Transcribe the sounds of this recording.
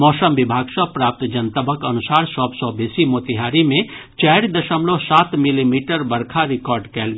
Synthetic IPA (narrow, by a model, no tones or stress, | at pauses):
mɔːsəmbibʱaːɡsəpɾap̚t̪d͡ʒənt̪əbʱəkənusaːɾsɔbsɔbesimot̪iɦaɾimẽ | t͡ʃɛɾid̪əʃəmlosaːt̪milimiʈəɾbəɾkʰaɾikɔɾɖkɛːlɡ